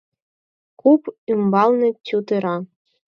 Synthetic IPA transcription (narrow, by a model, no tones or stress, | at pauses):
kupymbɑlˠnɤ̆tʲut̪ɤ̆ɾɑ